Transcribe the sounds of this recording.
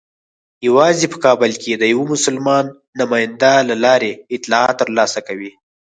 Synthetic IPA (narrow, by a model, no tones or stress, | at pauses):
jawɑzepə̥kɑbɪlked̪əjawomʊsʊlmɑnː | ʊmɑjɪnd̪alalɑɾeɪt̪lɑɑt̪ːəɾlɑsakawi